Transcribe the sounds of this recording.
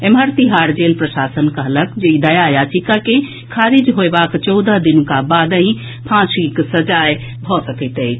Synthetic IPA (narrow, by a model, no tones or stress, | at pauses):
eməɾt̪iɦaɾd͡ʒelpɾəsasənkəɦləkd͡ʒeid̪əjajat͡ʃikakẽ | kʰaɾid͡ʒɦoebakt͡ʃɔwd̪əɦd̪inũkabad̪ə̃ɦĩ | pʰãsiksəd͡ʒaj | bʱɔsəkət̪əj